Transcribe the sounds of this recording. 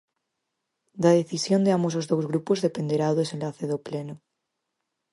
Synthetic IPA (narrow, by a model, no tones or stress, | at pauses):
d̪aðeθisjond̪eamosozðowzɣɾupozðe̞pend̪eɾaðesenlaθeðopleno